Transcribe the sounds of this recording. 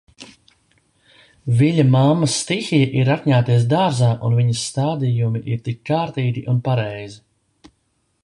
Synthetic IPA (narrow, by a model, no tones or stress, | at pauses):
viʎʲɐmamːɐsːt̪ixijɛʔiɾat̪ʲɲaːt̪iɛs̬d̪aːɾzaːʔunviɲɐsːt̪aːd̪ijumiʔiɾt̪ikːaːɾt̪iːɡ̪iʔunpaɾɛjzi